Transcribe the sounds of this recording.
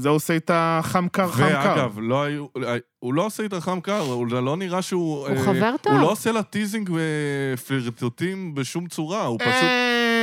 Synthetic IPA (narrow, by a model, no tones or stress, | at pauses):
zeoseit̪aχamkaʁvaaɡavloajua | ulo̞oseit̪aχamkaʁulo̞niʁaʃeuueχaveʁt̪aullo̞oselat̪iziŋɡefliʁt̪otimbeʃumt͡suʁaupasu